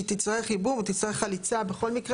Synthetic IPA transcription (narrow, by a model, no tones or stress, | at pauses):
t̪it͡saʁeχibumut̪it͡saʁeχalit͡sabeχo̞lmikʁ